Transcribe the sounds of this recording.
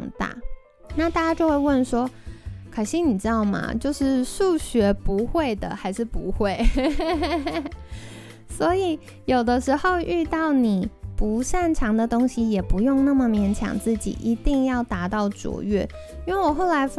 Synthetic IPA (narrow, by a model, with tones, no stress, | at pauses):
ŋt̪a̰˥˩ | na˥˧t̪a˥˩t͡ɕja˥t͡ɕjo˥˧ʊxwe˥˧ɪwə˥˩nʂwɔ˥kʰa˨˩nɕi˥ŋni˨˩ʈ͡ʂɻ̩˥t̪ɑ˥˩ʊmɐ̰˩t͡ɕjo˥˧ʊʂɻ̩˥˧ʂu˥˩ɕɥɛ˧˥pu˧˥xwe˥˩ɪd̪ə̰˩xa˧˥ɪʂɻ̩˥˩pu˧˥xwe˥˩ɪ | swɔ˧˥i˨˩˦ | jo˨˩ʊd̪ə˦ʂɻ̩˧˥xo˥˧ʊʔy˥˧t̪ɑ˥˩ʊni˨˩pu˧˥ʂa˥˩nʈ͡ʂʰɑ˧˥ŋd̪ə˧t̪ʊ˥ŋɕi˨jɛ˨˩pu˧˥jʊ˥˧ŋna˥˩mə˨mjɛ˧˥nt͡ɕʰjɑ̰˨˩ŋt͡sɹ̩˥˩t͡ɕḭ˨˩ʔi˧˥t̪i˥˧ŋjɑ˥˩ʊt̪a˧˥t̪ɑ˥˩ʊʈ͡ʂṵ˨˩ɥɛ̰˥˩ | i˥nwe˥˩ɪwɔ˨˩xo˥˩ʊla˧˥ɪf